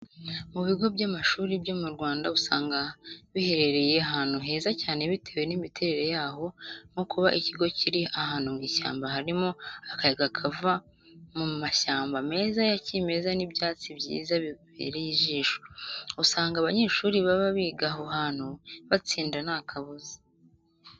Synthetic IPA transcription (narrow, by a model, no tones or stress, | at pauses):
muβiɡo̞bɟamaʃuːɾibɟo̞muɾɡwaːndausaːŋɡaβihe̞ɾe̞ɾe̞je̞aɦaːn̥huɦe̞ːzacaːne̞βitʰe̞we̞nimitʰeɾe̞ɾe̞jaːɦo̞ŋokʰuβaʔiciɡo̞ciɾiʔahaːnhumɡiːʃa̰ːmbaɦaɾimo̞akajeɡakʰava | mumaʃaːmbame̞ːzajacime̞zanibjaːt͡sibjḭːzaβḛːɾejiʒiːʃousaːŋɡaːβaɲe̞ːʃuːɾiβaβaβiɡaɦo̞haːn̥huβat͡siːndanakʰaβuzi̥